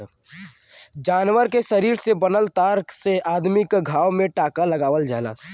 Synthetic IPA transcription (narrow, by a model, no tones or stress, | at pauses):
d͡ʒaːnʋəɾkeʃəɾiːɾsebənəlt̪aːɾkseʔaːd̪mɪkɡʱaːwmẽʈaːkaləɡaːʋəld͡ʒaːla̰ː